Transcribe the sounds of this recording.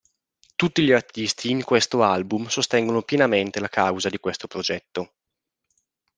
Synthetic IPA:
t̪ut̪ːiʎiart̪ist̪ʰiːŋkwest̪oalbumsost̪ɛŋɡonopjenament̪elakawzad̪ikwest̪opɾod͡ʒɛt̪ːo

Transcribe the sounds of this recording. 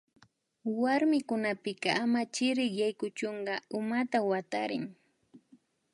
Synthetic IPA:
waɾmɪkʊnapɪkɑʔamat͡ʃɪɾɪkjajkʊt͡ʃoɴɢɑʊmat̪awat̪aɾɪŋ

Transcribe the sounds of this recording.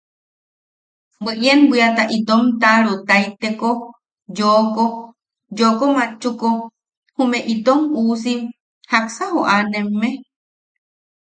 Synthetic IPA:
bəʔjenbiat̪aʔit̪omt̪aɾot̪ait̪eko | joko | jokomãt͡ʃːuko | humẽʔit̪omusim | haksahoʔanemːe

